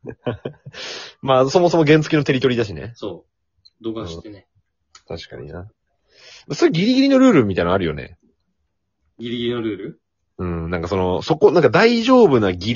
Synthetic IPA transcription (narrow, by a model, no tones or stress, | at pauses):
maːso̞mo̞somo̞ɡẽ̞nt͡sɨ̥kʲino̞t̪e̞ɾʲit̪oɾid̪aɕ̬inḛsoː | d̪oɡãt̪e | t̪ʰaɕi̥ka̰ɲ̟ḭna | masoiɡʲiɾʲiɡʲiɾʲino̞ɾɯ̟ːɾɯ̟mʲit̪ainaɾɯ̟jo̞̰ne̞̰ | ɡʲiɾʲiɡʲiɾʲinoɾɯ̟ːɾɯ | ɯ̟̃ːnãŋkaso̞noso̞ko̞nãŋkad̪aiʑo̞ːbɯ̟naɡʲi